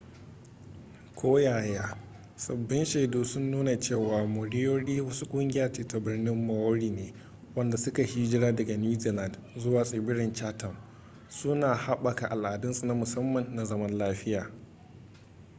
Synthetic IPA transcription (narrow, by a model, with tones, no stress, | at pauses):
kʷʰoː˦jaː˨jaː˦ | sɐ˨bːɪ˦nʃeː˨doː˦sʊ˦nːuː˦na˨t͡ʃeː˦˨waː˨mʊ˨ɽɪ˦joː˦ɽiː˦wɐ˦su˦kʷʼʊ˦ŋɡʲɪ˦jaː˨t͡ʃeː˦ta˨bɪ˦rnɪ˦mːɐ˨wʊ˦ɽiː˨neː˨ | wɐ˦nda˨sʊ˦ka˨hiː˦d͡ʒɪ˦ɾaː˦dɐ˨ɡa˨njuː˦ziː˨la˨ndzʊ˦waː˨sʼeː˨bɪ˦ɽɪ˨nt͡ʃaː˦tɐ˨m | sʊ˦naː˨ha˦ɓa˨ka˨ʔa˨lʔa˨dɪ˦nsu˨na˦mʊ˨sɐ˦mːɐ˨nːa˨zɐ˦mɐ˦nlaː˦ɸɪ˦jaː˨